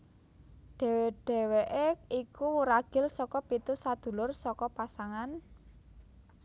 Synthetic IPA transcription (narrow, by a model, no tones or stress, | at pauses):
ɖ̥ɛ̤weɖ̥ɛ̤weʔeikuwuɾaɡ̥ɪ̤lsɔkɔpit̪usad̪̥ṳlʊrsɔkɔpasaŋan